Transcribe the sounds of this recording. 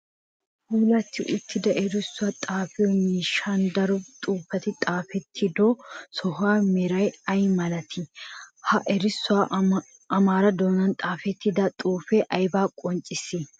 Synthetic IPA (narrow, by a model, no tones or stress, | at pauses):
huːlɐt̪ːɪʔʊt̪ːɪd̪ɐʔɛɾɪsːʊaːt̪ʼaːfɪjɔnɪʃɐnd̪ɐɾɔt̪ʼuːfɐt̪ɪt̪ʼaːfɛt̪ʰːɪd̪osɔɦʊaːmɛɾɐjɐjmɐlɐt̪ʰɪhɐʔɛɾɪsːʊaː | ɐmaːɾɐd̪oːnɐnt̪ʼaːfɛt̪ːɪd̪ɐt̪ʼuːfɛʔɐjbaːkʼɔnt͡ʃʼːɪsːɪ